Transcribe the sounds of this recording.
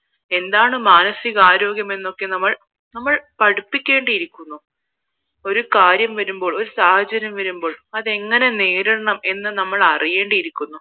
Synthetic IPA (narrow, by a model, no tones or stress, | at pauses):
e̞nd̪aːɳɨmaːnɐsiɣɐaːɾo̞ːɡjɐme̞nːo̞kːe̞nɐmːɐɭ | nɐmːɐɭpɐɽipːikʲːe̞ːɳɖɨiɾikʲːunːu | o̞ɾukaːɾjɐmʋɐɾumbo̞ːɭo̞ɾusaːhɐt͡ɕɐɾjɐmʋɐɾumbo̞ːɭɐðe̞ŋːɐne̞neːɾɐɽɐɳɐme̞nːɨnɐmːɐɭɐrije̞ːɳɖɨiɾikʲːunːu